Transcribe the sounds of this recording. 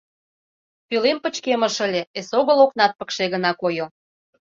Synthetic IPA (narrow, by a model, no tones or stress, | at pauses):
pylempə̆t͡ɕkemə̆ʃə̆lʲeesoɣə̆loknɑt̪̚pə̥̆kʃeɣə̆nɑkojo